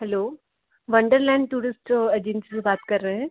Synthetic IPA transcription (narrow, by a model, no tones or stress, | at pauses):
ɦɛloː | ʋɐ̃ɳɖəɾlɛ̃ːɳɖʈuːɾɪsʈed͡ʑɪnsisebaːt̪kɐɾːɐɦɦɛ̃ː